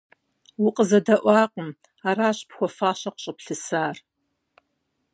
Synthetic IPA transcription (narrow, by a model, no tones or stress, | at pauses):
wʊqʼəzɐdɐʔʷɑːqʷʼəm | araːɕpxʷɔfaːɕɐqɕʼəpɬɨsaːr